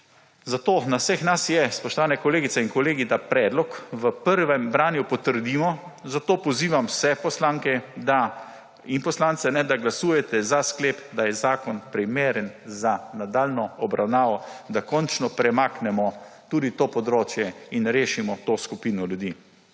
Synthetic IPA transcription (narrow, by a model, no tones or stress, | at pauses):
zat̪oːnawsɛxnasjɛspɔʃt̪ɔʋaːnɛkɔleːɡit̪ɛinkɔleːɡid̪apɾɛːd̪lɔkʋəpəɾʋɛmbɾaːnjupɔt̪əɾd̪iːmɔzat̪oːpɔziːʋamsɛpɔslaːŋkɛd̪a | inpɔslaːnt̪sɛnɛd̪aɡlasuːjɛt̪ɛzaskleːpd̪ajɛzaːkɔnpɾimeːɾɛnzanad̪aːlnɔɔbɾʔawnaːʋɔd̪akɔnt͡ʃnɔpɾɛmaknɛmɔt̪uːd̪it̪oːpɔd̪ɾoːt͡ʃjɛinɾeːʃimɔt̪oːskupiːnɔlʲjud̪iː